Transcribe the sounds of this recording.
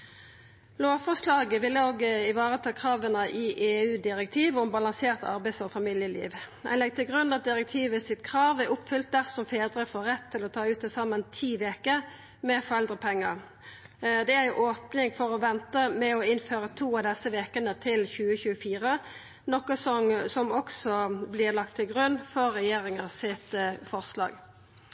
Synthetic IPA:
loːʋfɔʂlɑːɡəʋɪlːəoːɡəɪʋɑːʁət̪ʰɑːkʰʁɑːʋənəʔɪʔeːʉːd̪ɪʁɛkt̪ʰiːʋʊmbɑlɑŋseːʁt̪ɑ̰ʁbæɪsɔfɑmɪljəlḭːʋɛ̰nlɛɡ̚t̪ʰɪlɡʁʉnɑt̪̚d̪ɪʁɛk̚t̪ʰiːʋəsɪt̪kʰʁɑːʋæʔʊpfʏlt̪̚d̪æʁsɔmfeːd̪ʁəfoːʁːɛt̪ʰːɪlɔt̪ʰɑːʉːt̪̚d̪ɪsɑmənt̪ʰiːʋeːkə | mɛfɔʁɛld̪ʁəpʰɛŋːəʁ | d̪ɛæɪʔoːpnɪŋfɔʁɔʋɛnt̪əmɛɔɪnføːʁət̪ʰuːɑʋd̪ɛsəʋeːkənət̪ʰɪlçʉːəçʉːəfiːʁə | nɔkəsɔmsɔmɔksɔblɪʁlɑkt̪ʰːɪlɡʁʉnːfɔʁːɛjeːʁɪŋɑsɪt̪fɔʁslɑ̰ːɡ

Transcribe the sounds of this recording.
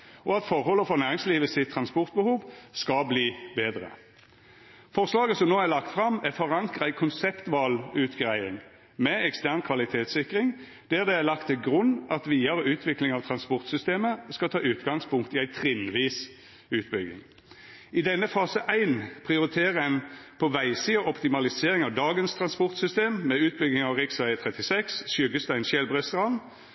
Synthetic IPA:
ɔɑt̪fɔʁhɔlːəfɔʁnæːʁɪŋsliːʋəsɪt̪ʰːʁɑnspɔʁt̪̚bəhuːʋskɑbliːbeːd̪ʁə̰ | fɔʁslɑːɡəsɔmnoːælɑk̚t̪fʁɑmæfɔʁɑŋkʁəæɪkʰʊnsɛpt̪ʋɑlʉːt̪ɡʁæɪɪŋ | mɛɛkst̪æʁnkʰʋɑlɪt̪ʰeːt̪sɪkʁɪŋ | d̪̥æʁd̪ɛælɑkt̪ʰːɪlɡʁʉnːɑt̪ʋiːɑɾəʉːt̪ʰʋɪklɪŋɑʋt̪ʰʁɑnspɔʁt̪sʏst̪eːməskɑlt̪ʰɑːʉːt̪ɡɑŋspʊŋkt̪ɪæɪt̪ʰɾɪnʋiːs | ʉːt̪bʏɡɪ̰ŋ | ɪd̪ɛnːəfɑːsəʔæɪnpʰʁɪʊɾɪt̪ʰeːʁəɛnpʰɔʋæɪsiːəɔpt̪ɪmɑlɪseːʁɪŋɑʋd̪ɑːɡənst̪ʰʁɑnspɔʁt̪sʏst̪eːmːɛʉːt̪̚bʏɡɪŋɑʋʁɪksʋæɪət̪ʰʁɛt̪ɪsɛksʃjʏɡəst̪æɪnʃɛlbʁɛst̪ʁɑn

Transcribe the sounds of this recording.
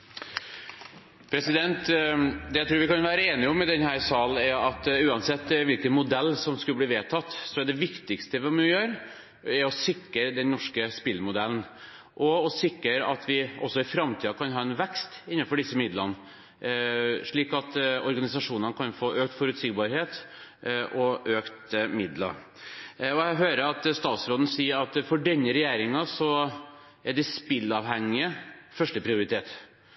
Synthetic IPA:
pʰɾɛsɪd̪ɛnt̪d̪ɛjæɪɾuːɾʋɪkɑnʋæːɾəeːnɪɔmːɛd̪ɛnhæːɾsɑːln̩ɛɾɑt̪ʉːɑnsɛt̪ːʋɪlkənmʊd̪ɛlːsɔmskʉlbliːʋeːt̪ʰɑt̪ːsɔɛɖɛʋɪkt̪ɪkst̪əʋɪmɪjøːɾ | ɛɾɔsɪkːəɾd̪ɛnnːɔʂkəspɪlmʊd̪ɛln | ʔɔɔsɪkːəɾɑ̰t̪ʋɪʔɔsːɔɪfɾɑmt̪ʰiːɑkʰɑnɦɑːɛnʋɛkst̪ɪnːɑfɔɖɪsːəmɪd̪lən | ʂɭiːkɑt̪ɔɾɡɑnɪsɑʂuːnənəkʰɑnfoːʔøːkt̪fɔɾʉt̪sɪɡbɑɾheːt̪ | ʔɔʔøːkt̪mɪd̪lɑ̰ | ɔæɦøːɾəɾɑt̪st̪ɑːt̪sɾoːd̪n̩siːəɾɑt̪fɔɖɛnːəɾɛjeːɾɪŋɑsɔ | æɖɛspɪlːɑːʋhæŋːɪəfœʂʈəpʰɾɪʊɾɪt̪ʰeːt̪

